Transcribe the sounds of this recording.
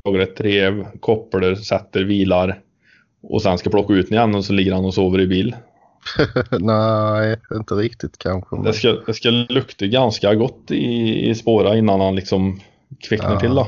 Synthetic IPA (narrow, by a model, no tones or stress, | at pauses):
ɑːɡaɾɛt̪ʰːɾeːvkʰɔpːɽəɾsɛt̪ːəɾviːlaɾ | ʔɔ̰sɛnskapʰɽɔkːaʉːt̪nɪjɛnːənɔsɔlɪɡːəɾhanɔsoːvəɾɪbiːl | næɪɪnt̪əɾɪkt̪ɪt̪kʰakʰɔ̰d̪ɛskad̪ɛskalɵkt̪əɡanskaɡɔt̪ːɪɪ̰spoːɾaɪnːanhanlɪksɔm | kʰvɪkːnəʈʰɪld̪ɔ